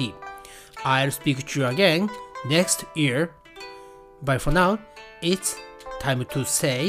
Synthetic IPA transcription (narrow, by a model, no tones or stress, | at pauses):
i | aɪlspiktʰuəɡɛ̃nnɛkstjiɹ | bajfɔnaʊɪtstʰãɪ̃mtʰuse